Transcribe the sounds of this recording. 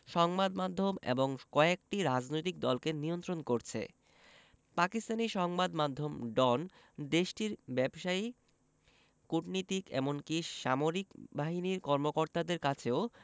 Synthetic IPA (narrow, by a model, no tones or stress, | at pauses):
ʃɔŋbad̪mad̪ʱːomḛboŋkɔek̚ʈiɾad͡ʑnojt̪ik̚d̪ɔlkeniont̪ɾonkoɾt͡ɕʰḛ | pakist̪aniʃɔŋbad̪mad̪ʱːomɖɔn | d̪eʃʈiɾbɛbʃai | kuʈnit̪ikɛ̰monkiʃamoɾikbaɦiniɾkɔɾmokoɾt̪ad̪eɾkat͡ɕʰeo